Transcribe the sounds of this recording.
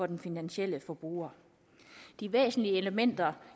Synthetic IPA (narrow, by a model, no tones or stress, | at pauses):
ɒ̽d̥enfinænɕel̰əfɒ̽b̥ʁṵɐ | d̥iʋḛːsn̩liəe̝ləmen̰d̥ɐ